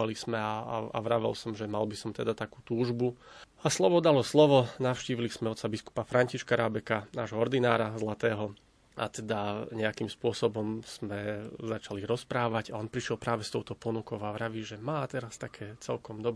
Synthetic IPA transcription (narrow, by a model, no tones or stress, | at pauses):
alismɛaa̰a̰ʋɾaʋɛ̰lsɔmʒɛmalbisɔmt̪ɛd̪at̪akuːt̪uːʒbu | aslɔʋɔd̪alɔslɔʋɔnaʊʃciːʋilismɛɔt̪sabisku̥pafɾaɲciʃkaɾabɛkanaːʒɦɔɔɾd̪inaːɾazlat̪ɛːɦɔ | a̰t̪ɛd̪aɲɛakimspʊɔsɔbɔmz̥mɛzat͡ʃaliɾɔspɾaːʋaɟaɔnpɾiʃɪɛlpɾaːʋɛst̪ɔʊt̪ɔpɔnukɔʊaʋɾaʋiːʒɛmaːt̪ɛɾast̪akʰɛːt͡sɛlkɔmd̪ɔb